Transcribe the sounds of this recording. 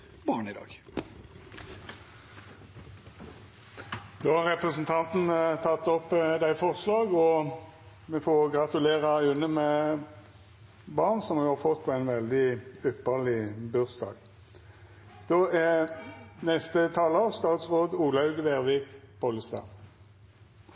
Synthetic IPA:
bɑːɳɪd̪ɑ̰ːɡ | d̪̥oːhɑʁʁɛpʁəsn̩t̪ʰɑnt̪n̩t̪ʰɑt̪ːɔpːd̪æɪfɔʁslɑːɡɔ | mɛfoɡʁɑt̪ʉleːʁɑʉnːəmɛ | bɑʁnsɔmjʊhɑːfɔt̪̚pʰɔæɪnʋɛld̪ɪʉpːəʁlɪbʉʁsd̪ɑ̰ːɡ | d̪̥oːæ | nɛst̪ət̪ʰɑːləʁst̪ɑːt̪sʁoːd̪uːlɑʉɡʋeːʁʋiːkbɔləst̪ɑ̰ː

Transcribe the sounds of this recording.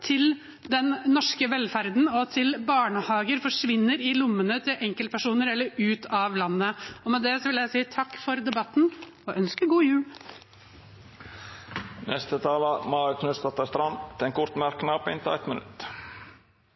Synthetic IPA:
t̪ʰɪl | d̪ɛnːɔʂkəʋɛlfæɾd̪n̩ɔt̪ʰɪlbɑːɳəhɑːɡəɾfɔʂʋɪnːəɾɪlʊmːənət̪ʰɪlʔɛŋkəlt̪̚pʰæʂuːnəɾɛlːəɾʉːt̪ʰɑʋlɑnːəɔmɛd̪ɛsɔʋɪljæɪsiːt̪ʰɑkːfɔɾd̪ɛbɑt̪ːn̩ | ɔʔœnskəɡuːjʉːl | nɛst̪ət̪ʰɑːləmɑːɾəkʰnʉst̪ɑt̪ɑst̪ɾɑnt̪ʰɛnkʰʊɾt̪mæɾknɑːpɪ̰nt̪æ̰ɪt̪mənʉ̰t̪

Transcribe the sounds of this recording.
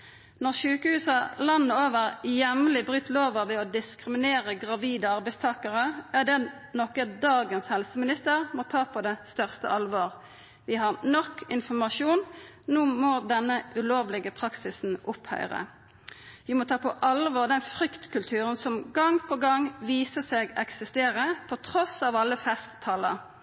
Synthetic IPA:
nɔʁʃʉːkəhʉːsəlɑnːəoːʋəʁjɛmlɪbʁyːt̪ʰloːʋɑʋɛɔd̪ɪskʁɪmɪneːʁəɡʁɑʋiːd̪əɑʁbæɪst̪ʰɑːkəʁəæd̪ɛ | nɔkəd̪ɑːɡənshɛlsəmɪnɪst̪əʁmɔt̪ʰɑːpʰɔd̪ɛst̪œʁst̪ə̰ʔɑlʋoːʁ | ʋɪhɑʁnɔkːɪnfɔʁmɑʃuːnnuːmɔd̪ɛnːəʔʉloːʋlɪɡəpʰʁɑksɪsn̩ʔʊphœ̰ʏʁə̰ | ʋɪmɔt̪ʰɑːpʰɔʔɑlʋoːʁd̪ɛnfɾʏkt̪kʉlt̪ʰʉːʁənsɔmɡɑŋpʰɔɡɑŋʋiːsəseːɡɛksɪst̪eːʁəpʰɔt̪ʰʁɔsɑːʋɑlːəfɛst̪t̪ʰɑːlə̰ɾ

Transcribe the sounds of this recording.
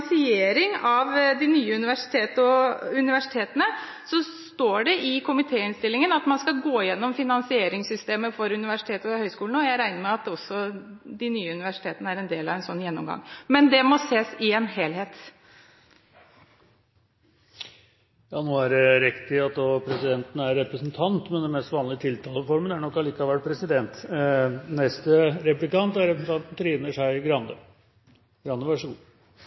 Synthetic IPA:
sɪeːɾɪŋɑʋd̪ɪnyːəʉnɪʋæʂɪ̥t̪ʰeːt̪əɔʉnɪʋæʂɪt̪ʰeːt̪ənə | sɔst̪oːɖɛʔɪkʰʊmɪt̪ʰeːɪnst̪ɪlːɪŋənɑt̪mɑnskɑlɡoːjɛnːɔmfɪnɑnsɪeːɾɪŋsʏst̪eːməfɔɾʉnɪʋæʂɪ̥t̪ʰeːt̪ɔhœʏskuːln̩ɔjæɪɾæɪnəɾmɛɑt̪ɔsːɔ | d̪ɪnyːəʉnɪʋæʂɪ̥t̪ʰeːt̪ənəæɾɛnd̪eːlɑ̰ʋɛɪnsɔnːjɛnːɔmɡɑ̰ŋːmɛnd̪ɛmɔseːsɪɛnɦeːlɦeːt̪ | jɑːnoːæɖɛɾɛkt̪ɪɑt̪̚d̪opʰɾɛsɪd̪ɛnt̪ənəæɾːɛpɾəsnt̪ʰɑnt̪mɛnd̪ɛmɛst̪ʋɑːnlɪət̪ʰɪlt̪ʰɑːləfɔɾmənæɳɔkːɑɭiːkɑʋæʈ̚pʰɾɛsɪd̪ɛnt̪ | nɛst̪əɾɛplɪkɑnt̪æɾɛpɾəsn̩t̪ɑnt̪n̩t̪ʰɾiːnəʂæɪɡɾɑnd̪ə̰ | ɡɾɑnːəʋæʂɔɡuː

